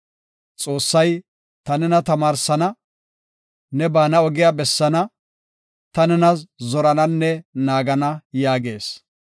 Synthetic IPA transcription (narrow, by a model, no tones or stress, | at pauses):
t͡sʼo̞ːsːɐj | t̪ɐnɛnɐt̪ɐmaːɾsɐnɐ | nɛbaːnɐɔɡɪjabɛsːɐnɐ | t̪ɐnɛnɐszɔɾɐnɐnːɛnaːɡɐnɐjaːɡḛːs